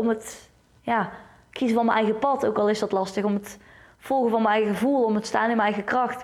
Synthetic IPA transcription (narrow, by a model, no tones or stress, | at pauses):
omət | jaː | kizəvɑnməʔɛjɣəpɑtokɑlˠɪsdɑtlɑstəxɔmətfɔlˠɣəvɑnməɛjɣəɣəvulˠomətstaːnɪnməɛjɣəkrɑxt